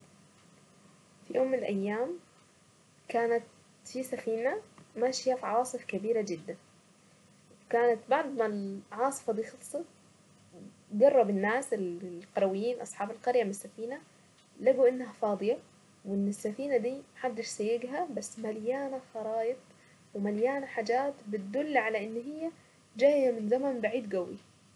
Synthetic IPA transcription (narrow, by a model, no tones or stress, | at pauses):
fijoːmːɪnɪlʔajːaːm | kaːnat̪ | fisafiːnamaːʃɪjafiʕɑwɑːsˤɨfkabiːɾad͡ʒɪd̪ːan | wkaːnat̪baʕd̪malʕɑːsˤɨ̥fɑd̪iːxɑt̪sˤɑ | ɡɑrˤːɑbɪnːaːsɪlqɑɾˤɑwɪjːiːnʔɑ̰sˤħɑːbɪlqɑɾjamɪnɪsːafiːna | laɡuʔɪnːɦafɑːd̪ˤɨja | wɪnːɪsːafiːnad̪iːmħad̪ːɪʃsajːɪɡɦabasːmaljaːnaxɑɾˤɑːʔɨt̪ˤ | wɪmaljaːnaħaːd͡ʒaːt̪bɪt̪̚d̪ʊlːʕalaʔɪnːɦɪjːa | d͡ʒaːjamɪnzamanbaʕiːd̪ɡawːi